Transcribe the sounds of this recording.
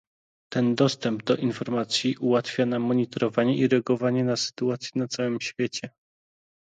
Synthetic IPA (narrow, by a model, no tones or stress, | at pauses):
t̪ɛnd̪ɔst̪ɛmb̚d̪ɔʔinfɔɾmat̪sʲjiʔuwat̪fʲjanamːɔɲit̪ɔɾɔvaɲɛiɾɛaɡɔvaɲɛnasɘ̥t̪uat̪sʲjɛnat̪sawɘmɕfʲjet͡ɕɛ